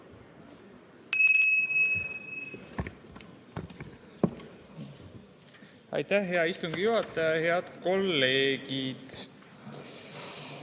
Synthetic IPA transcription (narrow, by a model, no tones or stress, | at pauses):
ɑ̰jt̪æhɦe̞ɑist̪uŋɡ̥ijuɦɑt̪ːˑɑjɑheɑd̪̥ko̞lːe̞ːɡid̪̥